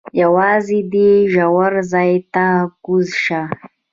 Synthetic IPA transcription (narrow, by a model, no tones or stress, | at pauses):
jawɑːzid̪eʒawaɾzaːjt̪akuzʃa